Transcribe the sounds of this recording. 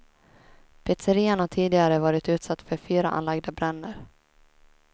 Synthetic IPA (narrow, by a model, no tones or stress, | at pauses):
pʰɛt̪səɾiːanhaʈʰiːd̪ɪɡaɾəvɑːɾɪt̪ʉ̟ːt̪sat̪ːfœɾfyːɾa̰ʔa̰nlaɡd̪abɾɛnːəɾ